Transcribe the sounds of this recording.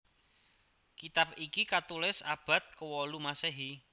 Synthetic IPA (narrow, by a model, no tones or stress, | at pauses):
kit̪ap̚ikikat̪ulɪsab̥ä̤t̪̚kəwɔlumaseɦi